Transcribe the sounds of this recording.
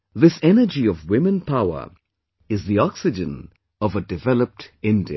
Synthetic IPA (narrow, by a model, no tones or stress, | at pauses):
ðɪsɛnəd͡ʒiɔvwɪmə̃npʰaʊə̰˞ | ɪzðiɔksɪd͡ʒə̃n | ʌvədɪvɛləp̚tɪ̃ndi